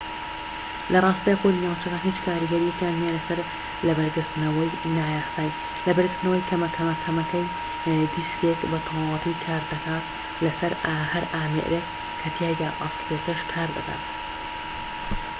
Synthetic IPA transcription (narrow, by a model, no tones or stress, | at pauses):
lɐrˤɑːst̪ɐjxolinaːwt͡ʃɐkanɦiːt͡ʃkʰaːɾɨɡɐɾijekjaːnmialɐsɐɾ | lɐbɐɾɡɨɾt̪ɨnɐwɐjnaːjaːsaːj | lɐbɐɾɡɨɾt̪ɨnɐwɐjkʰɐmɐkʰɐmɐkʰɐmɐkɐj | d̪iskekbɐt̪ʰowɑlˠɑt̪ʰikʰaːɾd̪ɐkaː | lɐsɐɾahɐɾaːmḛɾʔe | kʰːɐt̪ʰjaːɡ̪aːʔɑslˠekɐʃkʰaːɾd̪ɐ̰ka̰ːt̪